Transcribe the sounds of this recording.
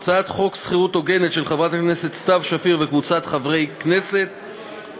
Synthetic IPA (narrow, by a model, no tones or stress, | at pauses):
t͡sat̪χo̞ksχiʁutoɡe̞ne̞tʃe̞lχavʁat̪akne̞se̞t̪st̪avʃafiʁvekvut͡sat̪χavʁejkne̞se̞t̪